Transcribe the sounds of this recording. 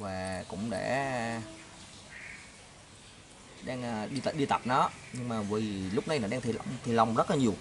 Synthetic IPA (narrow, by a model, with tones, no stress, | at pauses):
vaː˨˩kʊ̰˧˥ŋ͡mɗḛ˧˥ | ɗaː˧ŋʔːɗi˧t̪ːɗi˧t̪a˨˩p̚nɔ˨˦ɲɨ˧ŋmaː˨˩vi˨˩lʊ˦˥k͡p̚na˧jnɔ˨˦ɗaː˧ŋt̪ʰi˨˩lwŋ͡mt̪ʰi˨˩lə˨˩wŋ͡mzə˦˥t̚laː˨˩ɲi˨˩əw